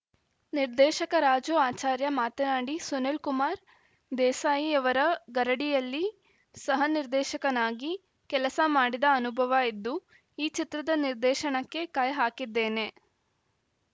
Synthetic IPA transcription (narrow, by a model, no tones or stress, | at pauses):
niɾd̪ɛːʃɐkɐɾaːd͡ʒuaːt͡ʃaːɾjɐmaːt̪ɐnaːɽisunelkumaːɾ | d̪ɛːsaːjiɐʋɐɾɐɡɐɾɐɽijɐlːi | sɐɦɐniɾd̪ɛːʃɐkɐnaːɡi | kɛlɐsɐmaːɽid̪ɐɐnubʱɐʋɐid̪ːu | iːt͡ʃit̪ɾɐd̪ɐniɾd̪ɛːʃɐɳɐkːe̞kaːjɐɦaːkid̪ːeːne̞